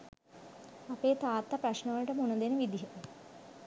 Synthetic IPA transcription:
apeːt̪aːt̪ːapɾaʃnəʋələʈəmunəd̪enəʋid̪iɦet̪ə

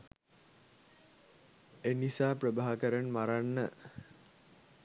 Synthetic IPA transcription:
enisaːprəbaːɦakəɾənmaɾanːə

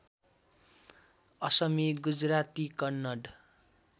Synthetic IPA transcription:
ʌsʌmiɡud͡zrat̪ikʌnːʌɖ

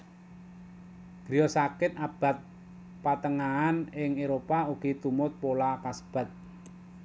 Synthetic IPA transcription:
ɡ̥ɾijɔsakɪt̪̚ab̥a̤t̪̚ | pat̪əŋaːnɪŋeɾopauɡ̥it̪umʊt̪̚polakasə̥b̥a̤t̪̚

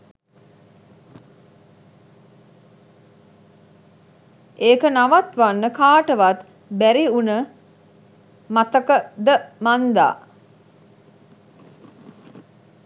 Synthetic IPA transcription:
ʔeːkənaʋat̪ʋanːəkaːʈəʋat̪ | bæɾiunə | mat̪əkəd̪əmand̪a̰ː

